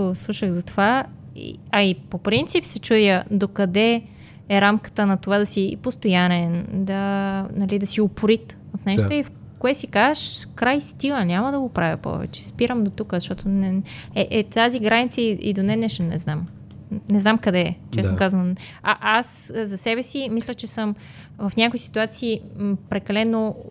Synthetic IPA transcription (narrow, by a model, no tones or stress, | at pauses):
oslˠuʃəɣzɐt̪ova | ḭɐipopɾint̪sipsɛt͡ʃud̪ʲəd̪okɐd̪ɛ | ɛɾamkə̥t̪ənɐt̪ovad̪ɐsipost̪ojanɛnd̪ɐnɐlid̪ɐsiopʊɾit̪vfnɛʃt̪oif | koɛsikazəʃkɾajst̪iɡˠənʲaməd̪ɐɡopɾavʲɐ̰pɔ̰vɛ̰t͡ʃɛ̥spiɾəmd̪ot̪ukəzɐʃt̪ɔt̪onɛɛʔɛt̪aziɡɾanit̪səiḭd̪onɛnɛʃnɛ̰znam | nɛznamkɐd̪ɛt͡ʃɛsokazvən | aʔaszɐsɛβɛsimislʲət͡ʃɛsəm | vɐfnʲakʊisi̥t̪uat̪siːpɾɛkɐlɛno